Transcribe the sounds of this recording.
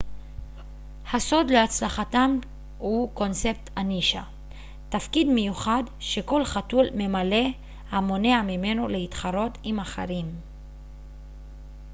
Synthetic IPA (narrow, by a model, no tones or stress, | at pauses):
haso̞d̪leat͡slaχatam | huko̞nt͡se̞p̚t̪ʰaniʃa | tafkid̪mejuχadʃe̞ko̞lχatulme̞male̞ | hamo̞ne̞amime̞noleitχaɾo̞timaχḛʁim